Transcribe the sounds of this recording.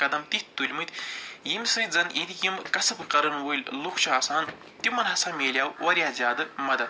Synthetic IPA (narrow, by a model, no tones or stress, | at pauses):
kɐd̪ɐmt̪itt̪ulʲmɨt̪ʲjimʲsɨjd͡zɐnʔit̪ʰikʲimkɐsɨpɨqɐɾɨnwolʲlukʰt͡ʃʰuasaːn | t̪imɐnɦɐsaːmʲeːlʲjaːwwʔɐɾʲjaːzʲjaːd̪ɨmɐd̪ɐd̪